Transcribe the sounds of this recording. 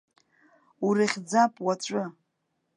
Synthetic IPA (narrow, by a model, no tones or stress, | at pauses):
uɾiχʲd͡zapʼwat͡ɕʷʼʊ